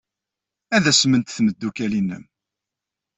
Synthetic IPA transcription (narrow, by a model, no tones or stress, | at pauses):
æðæsmənt̪θməd̪ːukælinːə̰m